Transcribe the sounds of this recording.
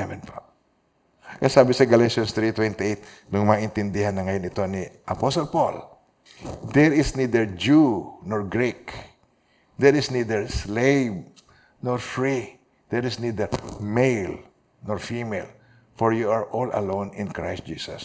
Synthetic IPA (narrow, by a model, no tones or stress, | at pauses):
ɛvɛnpa | kɐsaːbɪsɐɡɐleʃɐnst̪ɾit̪wɛnt̪ɪiʔejt̪̚ | nʊŋmɐaʔɪnt̪ɪnd̪ɪhanːɐŋɐjonɪt̪o̞niʔɐposɔlpol | d̪ɛɹɪsnid̪ɛɹd͡ʒunoɹɡɹik | d̪ɛɹɪsnid̪ɛɹslejv | noɹfɹi | d̪̥ɛɹɪsnid̪ɛɹmejl | noɹfimɛl | fɔɹjuaɹʔolɐ̰lõwnɪ̃nkɹajst̪̚d͡ʒiːsɐ̰s